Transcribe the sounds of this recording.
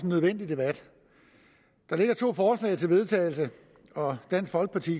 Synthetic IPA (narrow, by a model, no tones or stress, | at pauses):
snːøð̞ˠʋen̰d̥id̥e̝b̥æd̥ | d̥ɑ̈le̝ɡ̥ɐt͡sʰo̝̰ːfɒːslɛ̰ːɪt͡sʰe̝lʋe̝ð̞ˠt͡sʰɛ̰ːɪl̩sə | ɒ̽d̥æn̰sɡ̥fɒ̽lɡ̥əpʰɑt͡sʰḭ